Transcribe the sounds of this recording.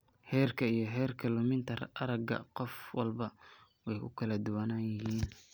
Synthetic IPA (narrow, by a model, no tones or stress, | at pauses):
hɛːrkʰɐijɞɦɛːrkʰɐlʊmɪnt̪ʰɐrɐɾɐɡɐ̰qɔfwɑlbɐ | wɛjkʊ̰kʰɐlɐd̪ʊwɐnaːnjɪɦiːn